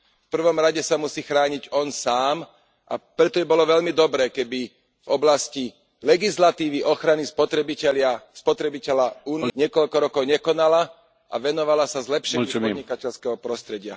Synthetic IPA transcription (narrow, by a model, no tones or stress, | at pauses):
fpr̩ʋɔmɾaɟɛsamusiːxɾaːɲiɟɔnsaːm | ʔa̰pɾɛt̪ɔibɔlɔʋɛʎmid̪ɔbɾɛːkɛbi | vɔblasci | lɛɡislat̪iːʋiʔɔxɾanispɔt̪ɾɛbicɛlɪaspɔt̪ɾɛbicɛʎaunɲɪɛkɔʎkɔɾɔkɔʊɲɛkɔnala | ʔa̰ʋɛnɔʋalasazlɛpʃɛɲiɔɲikacɛʎskɛɦɔpɾɔst̪ɾɛɟɪa